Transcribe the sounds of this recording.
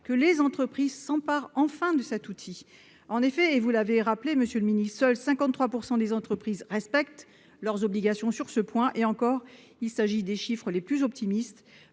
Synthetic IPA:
kəlezɑ̃t̪χəpχizsɑ̃paʁɑ̃fɛ̃d̪əsɛt̪ut̪ʰi | ɑ̃nefɛːvulaveʁapleməsjøləminissœlsɛ̃kɑ̃t̪χwapuʁsɑ̃d̪ezɑ̃t̪χəpχizʁɛspɛkt̪ | lœʁzɔbliɡasjɔ̃syʁsəpwɛ̃ʔeɑ̃kɔʁ | ilsaʒid̪eʃifχəleplyzɔp̚t̪imist̪

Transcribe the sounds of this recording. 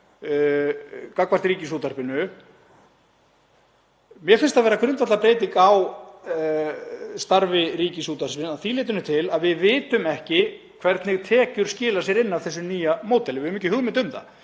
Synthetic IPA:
kakvar̥t̪ɾiːcɪsuːt̪arpɪnːʏ | mjɛfɪnst̪aðvɛːɾakʰɾʏnt̪vat̪lapɾeːjt̪̬iŋkaw | st̪aɾvɪɾiːcɪsuːt̪arspɪnaθileːjt̪̬ʏnʏt̪ʰɪlaðvɪðvɪːt̪ʏmɛhcɪ | kʰvɛɾt̪nɪɣt̪ʰɛːcʏɾ̥scɪːlas̬jɛɾɪnːavθɛsːʏniːjamoːwt̪ɛlɪvɪmiːcːɪɦʏɣmɪnt̪ʏmða̰

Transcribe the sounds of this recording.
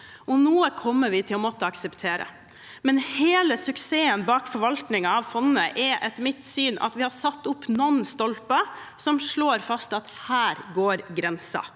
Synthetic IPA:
ɔnoːəkʰɔmːəɾʋɪt̪ʰɪlɔmɔt̪ːəɑksɛpt̪ʰeːɾə̰ | mɛnheːləsʉkseːənbɑːkfɔɾʋɑlt̪nɪŋɑɑʋfɔnnəʔɛɾʔɛt̪mɪt̪ːsyːnɑ̰t̪ʋɪhɑɾsɑt̪ːʊpːnɔnːst̪ɔlpɑ | sɔmʂɭoːɾfɑst̪ɑt̪hæːɾɡoːɾɡɾɛnsɑ̰

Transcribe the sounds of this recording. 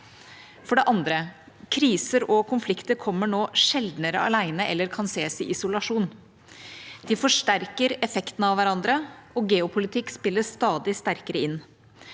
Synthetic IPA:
fɔɖɛʔɑnd̪ɾə | kʰɾiːsəɾɔkʰʊnflɪkt̪əɾkʰɔmːəɳoːʂɛld̪nəɾə̰ɑlæɪnəʔɛlːəɾkʰɑnseːsɪʔɪsʊlɑʂuːn | d̪̥ɪfɔʂʈæɾkəɾɛfɛkt̪nɑʋʋæɾɑnd̪ɾəɔɡɛːʊpʰʊlɪt̪ʰɪkːspɪlːəst̪ɑːd̪ɪst̪æɾkəɾəɪnː

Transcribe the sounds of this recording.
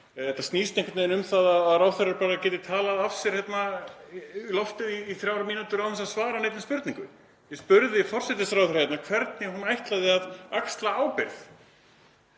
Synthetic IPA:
ɛht̪ːast̪niːst̪ɛŋ̥kt̪nejnʏmθaðaðaðraːwθeraɾpaːɾacɛːt̪ɪt̪ʰaːlaðafsɛɾ̥hjɛt̪na | lɔft̪ɪðiːθɾjaːwɾamiːnut̪ʏɾawɛsaðsvaːɾaneːjt̪ɪmspʏɾt̪niŋkʏ | jɛspʏɾðɪfɔr̥sɛt̪ɪsfɾawɾhjɛt̪nakʰvɛɾt̪nɪɦunajht̪laðɪaðakst̪laaːwpɪɾθ

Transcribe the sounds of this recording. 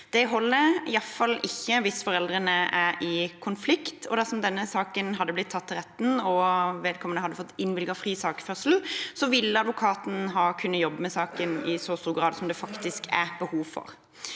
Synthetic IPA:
d̪̥ɛɦɔlːəɪɑfɑlːɪçːəʋɪsfɔɾɛld̪ʁənəʔæɾɪkʰʊnflɪkt̪ʰɔ̰d̪æʁsɔmd̪ɛnːəsɑːkənɦɑd̪ːəblɪt̪ʰːɑt̪ʰːɪlʁɛt̪ːnɔʋeːd̪kʰɔmənəhɑd̪ːəfɔt̪ːɪnːʋɪlɡəfɾiːsɑːkfœʁsl̩sɔʋɪlːəɑd̪ʋʊkʰɑːt̪n̩ɦɑːkʰʉnːəjɔbːəmɛsɑːkənɪsɔst̪uːɾɡɾɑːd̪sɔmd̪ɛfɑkt̪ɪskæbəhuːʋfɔ̰ɾ

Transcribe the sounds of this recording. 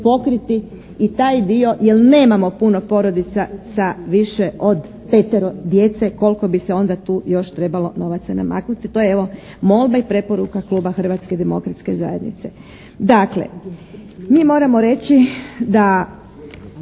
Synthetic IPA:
po̞kɾit̪i | it̪aːjd̪io̞jelne̞ːmamo̞puno̞po̞ɾo̞d̪it̪sasaʋiʃe̞ʔo̞d̪ | pet̪eɾod̪je̞t̪se̞ko̞lˠko̞bise̞o̞nd̪at̪uːjo̞ʃt̪ɾe̞balo̞no̞ʋat̪sana̰ma̰ːknut̪it̪o̞jeeʋo̞ | mo̞lˠbaipɾe̞po̞ɾukakluːbaxr̩ʋat̪sked̪e̞mo̞kɾat̪ske̞za̰je̞d̪nḭt̪se̞̰ | d̪aklḛ | miːmo̞ːɾamo̞ɾe̞t͡ɕid̪a

